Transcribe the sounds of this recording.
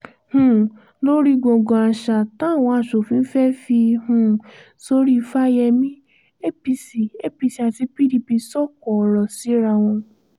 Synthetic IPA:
hũ˨ | lo˦ɾi˦ɡ͡bo˧˨ɡõ˨a˧˨ʃa˧˨ta˦˨w̃ɔ̃˧a˦˨ʃo˨fĩ˨˧n̩˦fɛ˦fi˧hũ˦˨ | so˧˦ɾi˦˧fa˦jɛ˧mĩ˦ | e˦pi˧si˨e˦pi˧si˨a˨ti˧˦pi˦di˧pi˧sɔ˦˨kɔ˨ɾɔ˨si˨˦ɾa˧w̃ɔ̃˧

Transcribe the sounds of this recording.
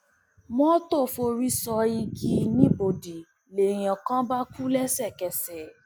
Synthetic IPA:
mɔ̃˦to˦˨fo˧ɾi˦sɔ˧i˧ɡi˧˦nĩ˨˦bo˨di˨ | le˨j̃ã˨kã˦ba˦ku˦lɛ˦sɛ˦˨kɛ˨sɛ˨

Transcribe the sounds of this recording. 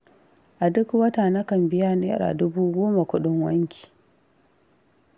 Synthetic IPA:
ʔa˨dʊ˦kwɐ˦taː˨nɐ˦kɐ˨mbɪ˦jaː˦ne˦ɾa̰˨dʊ˦buː˦ɡʷoː˦ma˨kʷʊ˦ɗʊ˦ŋwɐ˦ŋkʲe̥ː˨

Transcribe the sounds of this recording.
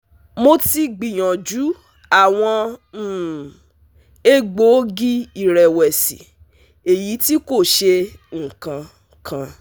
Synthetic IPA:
mo˦ti˧˦ɡ͡bi˨j̃ɔ̃˨d͡ʒu˨˦ | a˦˨w̃ɔ̃˧˨ | e˦ɡ͡bo˨˦ɡi˦i˦˨ɾɛ˨wɛ˨si˨ | e˨ji˨˦ti˦ko˦˨ʃe˧ŋ̩˨kã˧ | kʰã˧

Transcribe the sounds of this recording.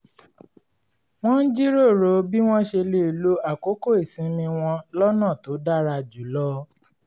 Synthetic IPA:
w̃ɔ̃˦n̩˦d͡ʒi˦ɾo˦˨ɾo˨˦bi˦w̃ɔ̃˦ʃe˧le˦˨lo˦a˦˨ko˨˦ko˦e˨sĩ˨˦mĩ˧w̃ɔ̃˧lɔ˦nãː˦˨to˨˦da˦ɾa˧d͡ʒu˨˦lɔ˦

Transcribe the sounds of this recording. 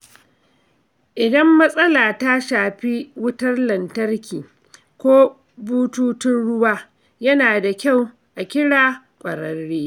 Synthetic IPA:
ʔɪ˨dɐ˦mːɐ˦sʼɐ˦laː˨ta˦ʃaː˨ɸi˦wʊ˦tɐ˦rlɐ˨ntɐ˦rkʲiː˨ | kʷoː˦ | buː˦tuː˦tɪ˦nɽʊ˦waː˦ | jɐ˦naː˨da˨kʲa˦˨w | ʔa˨kʲɪ˦ɽaː˦ | kʷʼɐ˨ɾɐ˦rːeː˦

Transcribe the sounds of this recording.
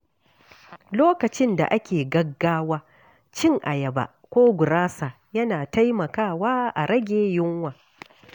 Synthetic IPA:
loː˦kɐ˨t͡ʃɪ˦nda̰˨ʔa˦kʲeː˨ɡɐ˦ɡːaː˦waː˦ | t͡ʃɪ˦ŋʔa̰˨jɐ˨ba̰˨ | kʷoː˦ɡʷʊ˨ɾaː˦saː˨ | jɐ˦naː˨ta˦jmɐ˨kaː˦˨waː˦ʔa̰˨ɾɐ˦ɡʲeː˦jʊ˦ŋwaː˨

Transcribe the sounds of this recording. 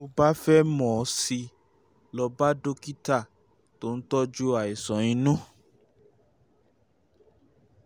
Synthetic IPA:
o˧ba˦fɛ˦mɔ̃˨˦si˧ | lɔ˧ba˦do˦ki˦ta˦˨ | to˦n̩˦tɔ˦d͡ʒu˦a˨i˨sɔ̃˨˦ĩ˧nũ˦

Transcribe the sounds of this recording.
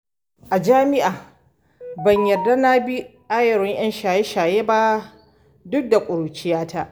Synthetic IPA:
ʔa˨d͡ʒaː˦mɪ˦ʔaː˨ | bɐ˨ɲjɐ˨rda˦na˦bi˦ʔaː˦jɐ˨ɾɪ˦ŋj̰ɐ˦nʃaː˨je˦ʃaː˨jeː˦ba˦ | dʊ˦k̚da˨kʷʼʊ˨ɾu˨t͡ʃɪ˦jaː˦ta˦ʔ

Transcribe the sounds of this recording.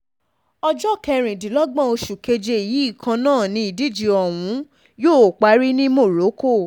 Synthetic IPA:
ɔ˧d͡ʒɔ˦˨kɛ˧ɾ̃ĩ˨di˨lɔ˦ɡ͡bã˦o˧ʃu˨ke˧d͡ʒe˧i˨ji˨˦i˦˨kʰã˧nãː˦˨nĩ˧i˨di˦˨d͡ʒi˧ɔ˨w̃ũ˨˦ | joː˦˨k͡pa˨˦ɾi˦nĩ˦mo˦˨ɾo˨˦ko˦˨

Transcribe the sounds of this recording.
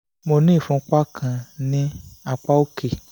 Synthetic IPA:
mo˧nĩː˦˨fũ˧˦k͡pa˦kʰã˧˨nĩ˦a˧k͡pa˦o˦ke˦˨

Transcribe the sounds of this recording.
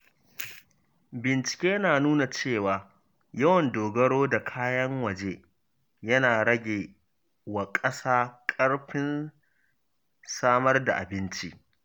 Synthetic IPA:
bɪ˨nt͡ʃɪ̥˨kʲeː˦naː˨nuː˦na˨t͡ʃeː˦˨waː˨ | jɐ˦wɐ˨ndoː˨ɡɐ˦ɽoː˦da˨kʰaː˦jɐ˦ŋwɐ˨d͡ʒeː˦ | jɐ˦naː˨ɽɐ˦ɡʲeː˨ | wa˨kʼɐ˦saː˦kʼɐ˦ɽɸɪ˦n | saː˦mɐ˦rda˨ʔa̰˨bɪ˦nt͡ʃi˦ʔ

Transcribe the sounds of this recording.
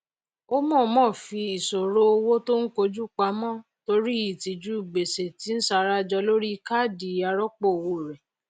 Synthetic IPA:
o˦mɔ̃˦˨mɔ̃˦˨fi˧i˨so˨ɾo˦o˧wo˦to˦ŋ̩˦ko˧d͡ʒu˦k͡pa˧˦mɔ̃˦˨ | to˧ɾi˦i˦˨ti˨d͡ʒu˦i˦˨ɡ͡be˨se˨ti˨˦n̩˦sa˧ɾa˦d͡ʒɔ˧lo˦ɾi˦˧ka˦˨di˨˦a˧ɾɔ˦k͡po˦˨wo˧˨ɾɛ˨

